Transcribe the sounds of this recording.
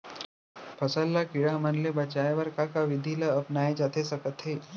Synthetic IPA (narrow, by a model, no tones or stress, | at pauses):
pʰəsəlːakiɽamənlebət͡ʃaeʋəɾkakaʋɪd̪ʱiləəpnaːed͡ʒat̪ʰesəkət̪ɦeː